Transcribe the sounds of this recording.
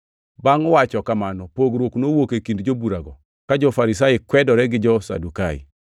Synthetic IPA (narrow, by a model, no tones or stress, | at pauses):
baŋɔwat͡ʃɔkamanɔpoɡɾwoknowokekindd͡ʒobuɾaɡɔ | kad͡ʒɔfaɾis̬ajɪkwɛdɔɾɛɡɪd͡ʒɔsa̰dukaɪ̰